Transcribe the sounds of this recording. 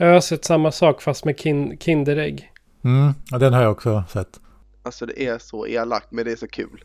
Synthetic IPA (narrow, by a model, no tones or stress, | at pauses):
jɑasɛt̪ːsamːasɑːkfast̪mɛkʰɪnkʰɪnd̪əɾɛɡː | m̩ːad̪ɛnɦaɾjaɔksɔsɛt̪ː | alsɔd̪ɛ̰ʔæʂɔʔḛːla̰k̚t̪mɛnd̪ɛæʂɔkʰʉ̰ːl